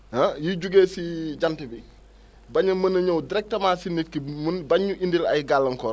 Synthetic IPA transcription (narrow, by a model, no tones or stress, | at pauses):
ɐjiɟuɡeːsiɟantibi | bɐɲɐmɐnɐɲɔwdiɾɛk̚tɐmaːsinːitkimnbɐɲːuʔindilɐ̰jɡalːɐŋkɔː